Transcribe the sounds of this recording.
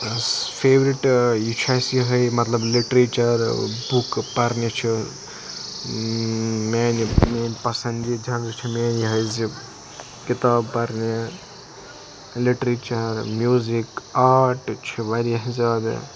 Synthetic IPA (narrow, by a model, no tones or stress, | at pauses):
fʰeːʋɾiʈjit͡ʃʰaːsiɦɐjmɐt̪lɐbliʈɾeːt͡ʃɐɾbukpɐɾnit͡ʃʰi | maːnimaːnpɐsɐnd͡ʒid͡ʒʱɐ̃nɾt͡ʃʰimeːniɦɐjzi | kit̪aːbpɐɾni | liʈɾiːt͡ʃɐɾmjuːzikaːɾʈt͡ʃʰiʋɐɾiɐɦizaːd̪̰